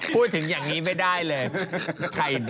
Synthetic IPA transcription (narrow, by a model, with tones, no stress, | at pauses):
ku˧˩jt̪ʰɯ˨˩˦ŋjaː˨˩ŋːniː˦˥ma˧˩jdaː˥˩jlɤː˧˩jk̪ʰa˧˩j